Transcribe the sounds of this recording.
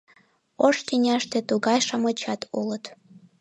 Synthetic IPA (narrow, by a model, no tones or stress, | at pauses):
oʃt̪ʲinʲæʃt̪ĕt̪uɣɑjʃɑmɤt͡ɕɑt̪ʰulə̆t̪